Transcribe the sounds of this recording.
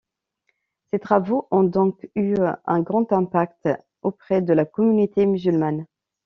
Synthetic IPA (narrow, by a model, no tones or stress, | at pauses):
set̪χavoʔɔ̃d̪ɔ̃kyɛ̃ɡʁɑ̃t̪ɛ̃pakt̪ | opχɛd̪əlakɔmynit̪emyzylman